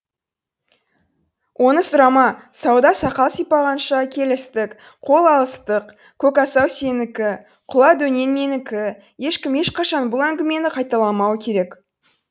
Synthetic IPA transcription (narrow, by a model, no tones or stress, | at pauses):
wʔo̞nəsʊɾɑmɑsɑwd̪ɑsɑqɑlˠsəjpɑʁɑnʃɑkʲʰe̞lɪst̪ɪk | qʰo̞lˠɑlˠəst̪əq | kʲʰɵkɑsɑwse̞nɪkʲɪ | qʰʊlˠɑd̪ɵne̞nme̞nɪkʲɪ | je̞ʃkʲɪme̞ʃqɑʃɑnbʊlˠæŋɡʲɪme̞nɪqʰɑjt̪ɑlˠɑmɑwəkʲʰe̞ɾe̞k